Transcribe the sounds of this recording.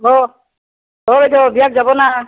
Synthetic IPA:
ɦɔ | ɔbedɔbijak̚zabɔna

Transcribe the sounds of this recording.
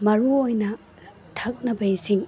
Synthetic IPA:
mɐɾuojnɐ | tʰɐk̚nɐbɐjisiŋ

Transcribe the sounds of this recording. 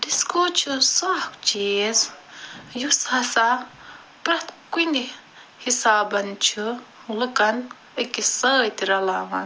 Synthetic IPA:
diskot͡ʃʰusaːkt͡ʃiːz | jushɐsa | pɾɐt̪kund̪i | hisaːbɐnt͡ʃʰu | lɨkɐn | ɐkisəːjt̪iɾɐlaːʋɐn

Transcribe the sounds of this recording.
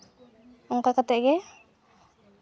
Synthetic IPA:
ɔŋkakat̪ɛʔɡɛ

